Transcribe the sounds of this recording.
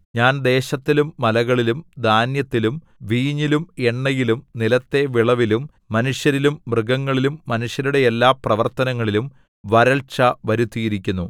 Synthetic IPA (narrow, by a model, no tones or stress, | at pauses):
ɲaːnd̪e̞ːɕɐt̪ːilumːɐlɐɣɐɭilumd̪ʱaːnjɐt̪ːilum | ʋiːɲilume̞ɳːɐjilumnilɐt̪ːe̞ʋiɭɐʋilumː | ɐnuʂjɐɾilumːrɨɡɐŋːɐɭilumːɐnuʂjɐɾuɽe̞elːaːprɐʋɐrt̪ɐnɐŋːɐɭilum | ʋɐɾɐɭt͡ɕɐʋɐɾut̪ːijiɾikʲːunːu